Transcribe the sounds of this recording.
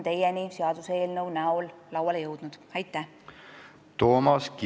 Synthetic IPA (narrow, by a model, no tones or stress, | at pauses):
nt̪e̞jeniseɑd̪̥useːlnɤwnæolːɑwɑljɤwd̪̥nud̪̥æjt̪ːˑæh | t̪o̞ːmɑsk